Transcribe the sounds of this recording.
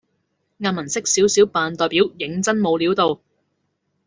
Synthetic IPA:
ŋaː˧n̚mɐ˨˩nsɪ˥k̚siː˨˥wsiː˨˥wpaː˨˧nt̪ɔː˨˧jpiː˨˥wjɪ˨˥ŋt͡sɐ˥nmo˨˧wliː˨˥wt̪o˨w

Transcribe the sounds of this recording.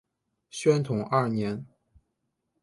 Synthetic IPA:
ɕɥɛ˥nt̪ʰʊ˨˩˦ŋʔɐ˥˩njɛ˧˥n

